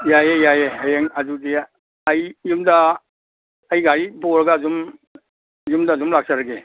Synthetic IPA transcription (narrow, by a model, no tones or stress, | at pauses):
jajejajeɦajeŋɐzudiː | jːumdaː | jɡaɾiboɾɐɡazum | jumdaːzumlak̚saɾaɡe